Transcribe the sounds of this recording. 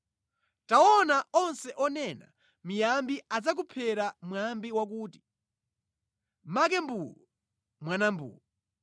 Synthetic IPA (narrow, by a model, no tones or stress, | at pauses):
taɔnaɔnsɛʔɔnɛna̰ | mijambiad͡zak̬upʰɛɾamwambiwak̬uːti̥ | mak̬ɛmbuɔ | mwanambṵːɔ